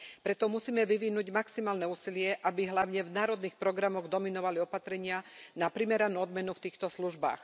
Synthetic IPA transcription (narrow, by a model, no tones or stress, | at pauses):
pɾɛt̪ɔmusiːmɛʋiʋinuɟmaksimaːlnɛuːsilɪɛʔabiɦlaʊɲɛvnaːɾɔd̪niːxpɾɔɡɾamɔɣd̪ɔminɔʋaliɔpat̪ɾɛɲɪanapɾimɛɾanuːɔd̪mɛnuft̪iːxt̪ɔsluʒba̰ːx